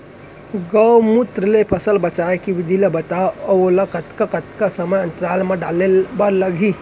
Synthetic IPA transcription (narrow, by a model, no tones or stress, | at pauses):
ɡəwmʊt̪ɾəlepʰəsəlbət͡ʃaekiʋɪd̪ʱilebət̪aɔolɐkət̪kəkət̪kasəməjɐ̃nt̪ɾaːlmẽɖalebəɾləɡʱi